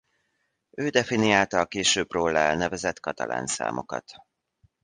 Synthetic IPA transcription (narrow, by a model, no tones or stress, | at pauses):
øːd̪ɛfinijaːlt̪ɒːkeːʃøːbroːlːɛɛlnɛvɛzɛt̪kɒt̪ɒlʔa̰ːnsa̰ːmo̞̰kɒ̰t̪